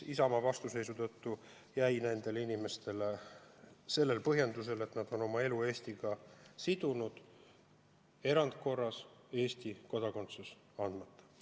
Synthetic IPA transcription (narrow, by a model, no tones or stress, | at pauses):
isɑmɑvɑst̪use̞jsut̪ɤt̪ːu | jæjnænd̪̥e̞linime̞st̪e̞le | se̞lːe̞lpɤɦje̞nd̪us̬e̞le̞t̪nɑd̪̥o̞no̞mɑe̞lue̞ːsʲt̪iɡɑsid̪̥unud̪̥ | e̞ɾɑnd̪̚ko̞rːɑse̞ːst̪iko̞d̪̥ɑko̞nt̪sus | ɑnd̪mɑt̪ːˑɑ̥